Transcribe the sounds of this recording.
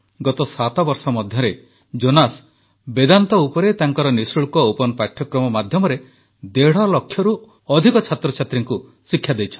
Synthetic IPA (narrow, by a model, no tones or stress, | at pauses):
ɡɔt̪ɔsat̪ɔbɔɾsɔmɔd̪ʱjɔɾe | d͡ʒonas | bed̪ant̪ɔupɔɾet̪aŋkɔɾɔnisuɭkɔopɔnɔpaʈʰːjɔkɾɔmɔmad̪ʱjɔmɔɾe | d̪eɽ̤ɔlɔkʰːjɔɾu | ɔd̪ʱikɔt͡ʃʰat̪ɾɔt͡ʃʰat̪ɾiŋku | sikʰːjad̪ejt͡ʃʰɔ̥